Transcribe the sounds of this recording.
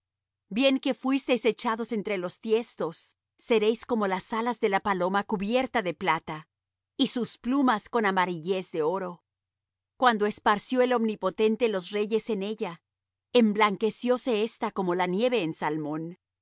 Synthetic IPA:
bje̞ŋke̞fwist̪e̞jse̞t͡ʃaðo̞se̞nt̪ɾe̞lo̞st̪je̞st̪o̞sː | e̞ɾe̞jsko̞mo̞lasalazðe̞lapalo̞makuβje̞ɾt̪aðe̞plat̪a | isusplumasko̞namaɾiʝe̞zðe̞o̞ɾo̞ | kwand̪o̞e̞spaɾsjo̞e̞lo̞mnipo̞t̪e̞nt̪elo̞sre̞ʝe̞se̞ne̞ʝa | emblaŋke̞sjo̞se̞est̪ako̞mo̞lanje̞βe̞ːnsalmo̞n

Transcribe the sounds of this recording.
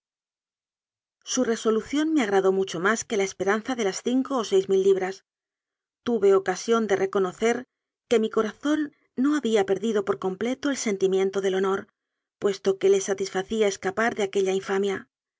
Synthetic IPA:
sure̞so̞luθjo̞nme̞aɣ̞ɾaðo̞mut͡ʃo̞maske̞laespe̞ɾan̟θaðe̞lasθiŋko̞ːse̞jzmilːiβ̞ɾas | t̪uβe̞o̞kasjo̞nd̪e̞rʔe̞ko̞no̞θe̞ɾ | ke̞miko̞ɾaθo̞nː | o̞aβiape̞ɾðiðo̞poɾko̞mple̞t̪o̞e̞lse̞nt̪imje̞nt̪o̞ð̞e̞lo̞no̞ɾ | pwe̞st̪o̞ke̞le̞sat̪isfaθiae̞skapaɾðeakeʎaiɱfamja

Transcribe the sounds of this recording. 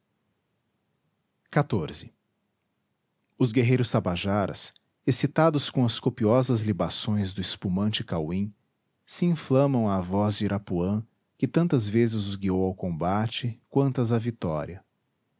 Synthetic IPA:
kat̪oɾzɪ | ʊzɡeɦejɾʊst̪apaʒaɾɐ̰s | esit̪ad̪ʊskõw̃ɐskopiɔzɐzlibasõj̃zd̪ʊɪspumɐ̃nt͡ʃɪkawĩ | sɪĩflɐ̃mɐ̃w̃aːvɔzd͡ʒiɾʔapuɐ̃ | kɪt̪ɐ̃nt̪ɐzvezɪzʊzɡiowawkõmbat͡ʃɪkwɐ̃nt̪ɐzɐvit̪ɔɾiɐ

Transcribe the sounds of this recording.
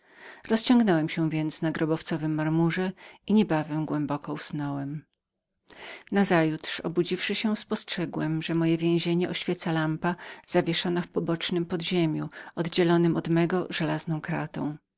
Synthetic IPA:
ɾɔst͡ɕɔ̃ŋɡnɛwɛmɕɛ̃vʲjɛnt̪snaɡɾɔbɔft̪sɔvɘmːaɾmuʐɛiɲɛbavɛmɡwɛmbɔkɔusnɔwɛm | nazajut̪ʂɔ̰bud͡ʑifʂɘɕɛspɔstʂɛɡwɛmʐɛmɔjɛvʲjɛ̃ʑeɲɛʔɔɕfʲjɛt̪salampaz̥avʲjɛʂɔnafpɔbɔt͡ʂnɘmpɔd̪ʑemʲjuɔd̪d͡ʑɛlɔnɘmɔd̪mɛɡɔʐɛlaznɔ̃w̃kɾa̰t̪ɔ̰̃w̃

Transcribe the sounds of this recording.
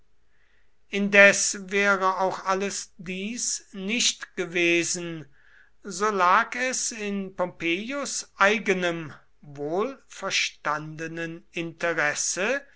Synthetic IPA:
ʔɪndɛsvɛːʁəaʊxʔaləsdiːsnɪʃtɡ̥əveːzn̩ | zoːlaːkɛsɪnpɔmpeːjosʔaɪɡənəm | voːlfɛɐʃtandənənɪntəʁɛsə

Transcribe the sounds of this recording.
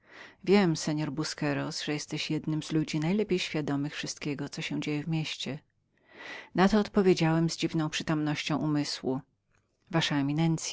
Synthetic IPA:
vʲjɛmsɛɲɔɾbuskɛɾɔsʐ̥ɛjɛst̪ɛɕjɛd̪nɘmzlud͡ʑinajlɛpʲejɕfʲjad̪ɔmɘxfʂɨst̪̚kʲɛɡɔt̪sɔɕɛw̃d͡ʑejɛvmʲeɕt͡ɕɛ | nat̪ɔːt̪pɔvʲjed͡ʑawɛmzd͡ʑivnɔ̃w̃pʂɘt̪ɔmnɔɕt͡ɕɔ̃w̃ʔumɘswu | vaʂaɛmʲinɛnt̪sʲ

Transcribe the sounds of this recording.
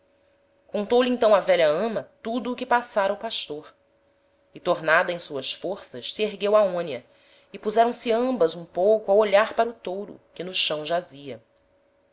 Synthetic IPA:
kõnt̪owlɪẽnt̪ɐ̃w̃ɐvɛʎɐɐ̃mɐt̪ud̪ʊːkɪpasaɾɐupaʃt̪oɾ | ɪt̪oɾnad̪ɐẽj̃suɐsfoɾsɐʃsieɦɡewaõnjɐ | ɪpuzɛɾɐ̃w̃sɪɐ̃mbɐzũpowkʊawoʎaɾpaɾʊt̪owɾʊ̰kɪnʊʃɐ̃w̃ʒaziɐ

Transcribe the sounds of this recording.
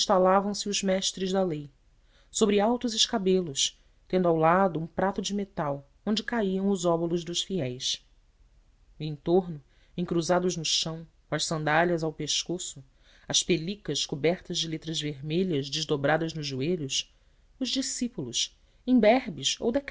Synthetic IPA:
ʃt̪alavɐ̃w̃sɪʊzmɛʃt̪ɾɪzd̪ɐlej | sobɾɪawt̪ʊzɪʃkabelʊs | t̪ẽnd̪ʊawlad̪ʊũpɾat̪ʊd͡ʒɪmet̪aw | õnd͡ʒɪkaiɐ̃w̃ʊzɔbʊlʊʒd̪ʊʃfiɛjs | ẽt̪oɾnʊ | ẽŋkɾuzad̪ʊʒnʊʃɐ̃w̃ | kw̃ɐʃsɐ̃nd̪aʎɐzawpeʃkosʊ | ɐʃpelikɐʃkubɛɾt̪ɐzd͡ʒɪlet̪ɾɐzveɾmeʎɐzd͡ʒɪzd̪obɾad̪ɐznʊʒʒːueʎʊs | ʊʒd͡ʒisipulʊs | ẽbɛɾbɪso̰wd̪ɛk

